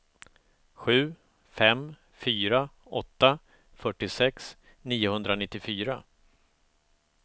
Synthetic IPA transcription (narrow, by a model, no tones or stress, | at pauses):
ɧʉ̟ː | fɛm | fyːɾa | ɔt̪ːa | fœʈːɪsɛks | niːʊhɵnd̪ɾanɪt̪ːɪfyːɾa